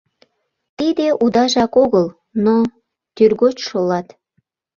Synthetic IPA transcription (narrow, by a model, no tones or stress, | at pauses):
t̪id̪eʔud̪ɑʒɑkoɣəl | no | t̪yrɣot͡ɕʃolɑt̪